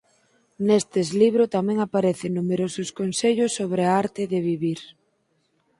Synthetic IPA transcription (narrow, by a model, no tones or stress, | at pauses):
nest̪eːzliβɾʊt̪amɛ̃ŋapaɾɛθɪnumeɾosʊskonseʎʊsːoβɾeaaɾt̪ɪðeβiβiɾ